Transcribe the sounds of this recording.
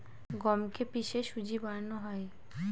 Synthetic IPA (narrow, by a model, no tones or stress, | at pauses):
ɡɔmkepiʃeʃud͡ʑibaɾnoɦɔe